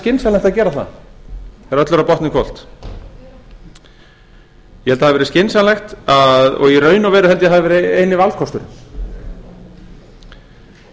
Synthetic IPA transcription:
cɪnsalɛxt̪aðcɛːɾaθa̰ | θɛɾœt̪lʏɾapɔht̪nɪkʰvɔl̥t̪ | jɛhɛlt̪ahavɪvɛɾɪscɪnsalɛxt̪aðɔ̰ɣirœːɥnawvɛːɾʏhɛlt̪jaɦavɪvɛːɾɪejnɪvalfkʰɔst̪ʏɾ

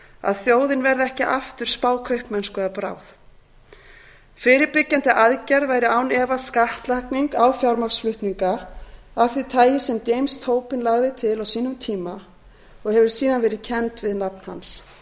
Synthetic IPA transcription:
a̰ðθjoːwðɪnvɛɾðɪɛhcɪʔaft̪ʏɾ̥spaːwkʰœɥhpmɛnskʏðapɾa̰ːwθ | fɪːɾɪɾpɪcːant̪ɪʔaðcɛɾðvaːjɾɪawnɛvaskaht̪lakniŋkawfjawɾmaksflʏht̪niŋkaaθit̪ʰaːjɪsɛmcejmst̪ʰoːwpɪnlaɣðɪt̪ʰɪlawsiːnʏmt̪ʰiːma | ɔɣhɛvʏɾ̥siːðanvɛːɾɪðcʰɛnt̪vɪðnapn̥ha̰ns

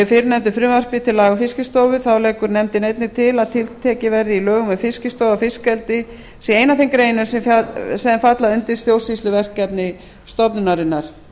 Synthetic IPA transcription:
fɪɾɪnɛmt̪̬ʏfɾʏːmar̥pɪt̪ʰɪlːaːɣʏfɪscɪst̪oːwvʏθawlɛːkʏɾnɛmt̪ɪnejt̪nɪt̪ʰɪlaðt̪ʰɪlt̪ʰɛːcɪvɛɾðɪilœːɣʏmɛfɪscɪst̪owafɪskɛlt̪ɪ | sɛeːjnaθejmkɾeːjnʏsɛsɛðanfat̪laʏnt̪ɪ̥st̪jowsisʏvɛr̥kːɛpnɪ | st̪ɔpnʏnaɾɪnːaɾ̥

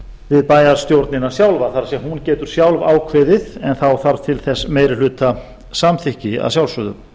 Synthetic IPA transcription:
vɪðpaːjaɾ̥st̪jowɾt̪nɪnasjawlvaθaɾsjɛmhɦuncɛːt̪ʏɾ̥sjawlva̰ːwkʰvɪːðɪðɛnθawθaɾvt̪ʰɪlθɛsːmeːjɾɪl̥ʏːt̪a | samθɪhcɪa̰ðsjawlsʏːðʏ̰m

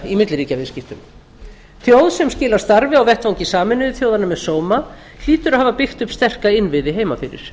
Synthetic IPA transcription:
imɪt̪lɾiːcavɪðscɪft̪ʏm | θʰjowðsɛmscɪːlaɾ̥st̪aɾvɪawvɛht̪vawŋcɪsaːmɪnʏðʏθjowðanʏmɛðsoːwma | l̥iːt̪ʏɾaðhaːvapɪxt̪ʏpst̪ɛr̥kaɪnvɪðɪɦeːjmafɪɾɪ̰ɾ̥

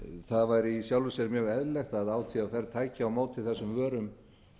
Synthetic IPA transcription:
θaðvajɾisjawlvʏsɛɾmjœːɣɛðlɛjxt̪aðaːwt̪ʰiafɛɾt̪ʰaːjcɪawmoːwt̪ʰɪlθɛsːʏmvœːɾʏm

